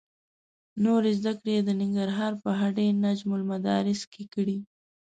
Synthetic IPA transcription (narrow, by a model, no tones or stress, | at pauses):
noɾezd̪akɽed̪ənɪŋɡaɾɦɑɾpəɦaɖenad͡ʒmʊlmad̪ɑ̰ɾɪskekəɽi